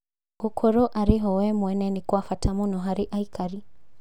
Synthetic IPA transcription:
ɡukʰɔɾɔʔaɾiɦɔwɛmwɛnɛnikwafatamunɔɦaɾiʔaikaɾi

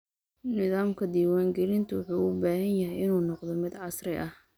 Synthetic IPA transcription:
nɪðaːmkʰɐd̪iːwaːŋɡɛlɪnt̪ʰʊwʊħuːʊbaːhɐnjɐɦɛjɪnuːnɔqd̪ɔmɪd̪ʕɑsrɪʔɐh

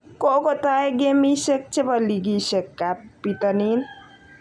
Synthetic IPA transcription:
kokot̪aeɡemisek̚t͡ʃʰebəliɡisekːapit̪ənin

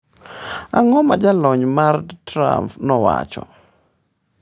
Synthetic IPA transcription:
aŋɔmad͡ʒalɔɲmaɾdtɾa̰mpnɔwa̰t͡ʃɔ̰

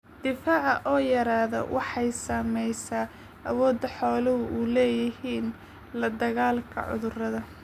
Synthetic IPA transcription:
d̪̥ɪfaːʕɑʔɔːjɐɾaːðɔ̰wʔɑħɑjsɐːmɛjsaː | ʔɐwɔːd̪ɐħɔːlɐɦʊʔuːlɛːjɪhiːn | lɐd̪ɐɣaːlkʰɐ̰ʕʊ̰ðʊrɐðɐ

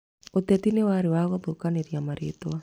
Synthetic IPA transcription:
ot̪ɛt̪inewaɾewaɣɔðokaneɾjamaɾet̪oa

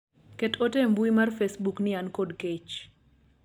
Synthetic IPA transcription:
kɛtotembuimarfesbuknɪankodket͡ʃ

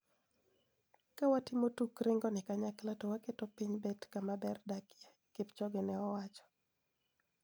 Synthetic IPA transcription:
kawatimotukɾɪŋɡɔnɪkaɲaklatɔwaketopiɲbɛtkamabɛrdakja | kɪpt͡ʃɔɡɪnɛɔwat͡ʃɔ̥

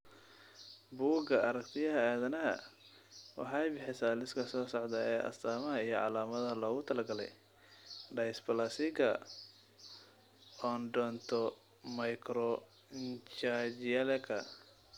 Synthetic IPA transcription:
buːɡɐʔɐɾɐkt̪ʰɪjɐɦɐaːðɐnɐɦɐ̰ | wɑ̰ħɑjbɪħɪsaːlɪskʰɐsɔːsɔʕd̪ɐɛːʔɐ̰st̪ʰaːmɐɦɐijɞʕɑ̰laːmɐðɐlɔːɣʊt̪ʰɐlɐɡɐlɛ̰j | ɖɐjspɐlɐsɪɡɐ | ɔːnɖɔːnt̪ʰɔ | mɐjkʰɾɔ | nt͡ʃad͡ʒɪɐlɛkʰɐ

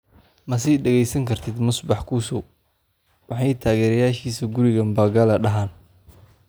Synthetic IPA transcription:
mɐs̬ɛjɖɛɣɛjsɐŋkʰɐrt̪ʰɪd̪mʊsbɑħkʰusʊ | wɑħɑjt̪ʰaːɣɛːɾɐjaːʃiːsɐɡʊɾɪɣɐmbaːɡɐlɐɖɐɦaːn

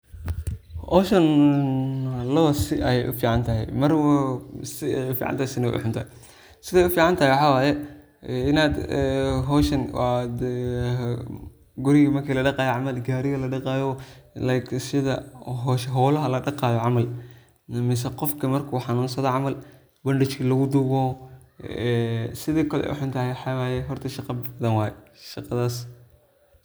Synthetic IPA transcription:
ʔɔːʃɐn | lɐβɐsɪʔɐjɛ̰jʔʊ̰fiːʕɑnt̪ʰɐɦɛ̰jmɐrwsɪɛjʊfḭʕɑ̰nt̪ahɛsɪnɐw̰ʔʊ̰ħʊnt̪ʰɐː | sɪðɛːjʊfiːʕɑnt̪ʰɐhɛjwɑħɑːwaːjɛ | ɪnaːd̪ɦɔːʃɐnwɑːd̪ | ɡʊɾɪɣɐmɐrkʰiːlɐɖɑqɑːjʕɑmɐlɡaːɾɪɣɐlɐɖɐqɑːjɔlajkʰsɪðɐ̰ɦɔʃɦɔːlɐɦɐlɐɖɑqɑːðɔʕɑmɐl | mɛs̬ɐqɔfkʰɐmɐrkʰuːħɑnuːnsɐðɔʕɑmɐl | bɐɳɖɪt͡ʃkʰɐlɐɣʊd̪uɣɔː | ɛsɪðiːkʰɐlɛ̰ʔʊ̰ħʊnt̪ʰɐhɛħawajɛɦɔrt̪ʰɐʃɑqɑbbɐðɐnwaːjɛʃɑqɑðaːs

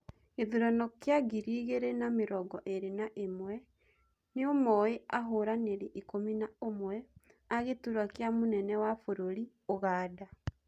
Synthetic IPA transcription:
ɣeðuɾɔnɔkeaɡiɾiːɣeɾenameɾɔɡɔʔeɾenaʔemwɛ | neomɔeaɦoːɾaneɾeʔikominaomwɛaɣetuɾwakeamonɛnɛwafoɾoɾi | oɣaːda

